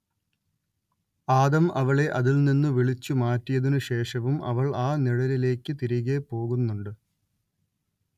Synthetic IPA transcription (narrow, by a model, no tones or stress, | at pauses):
aːðɐmɐʋɐɭe̞ʔɐðilninːuʋiɭit͡ɕːumaːtːijɐðinɨɕe̞ːʂɐʋumɐ̰ʋɐɭaːniɽɐɾile̞ːkːɨt̪iɾiɣepo̞ːɣunːuɳɖɨ